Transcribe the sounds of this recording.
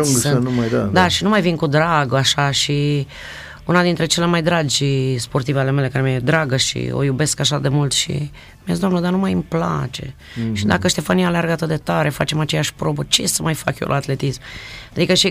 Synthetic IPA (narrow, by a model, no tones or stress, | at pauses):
ɨnnumajd̪ad̪aʃinumajvinkud̪ɾaɡaʃaʃi | unad̪int̪ɾe̞t͡ʃe̞le̞majd̪ɾad͡ʒʲspo̞rt̪iveale̞me̞le̞kaɾemied̪ɾaɡəʃḭo̰jube̞skaʃad̪e̞mult̪ʃḭ | miazid̪amnəd̪anumajɨmpla̰t͡ʃe̞̰ | ʃid̪akəʃt̪e̞fanijalearɡəat̪ɨt̪d̪et̪aɾe̞fat͡ʃe̞mat͡ʃe̞jaʃpɾo̞bət͡ʃesəmajfa̰kjo̰lʔa̰ːt̪le̞t̪ismad̪ikəʃi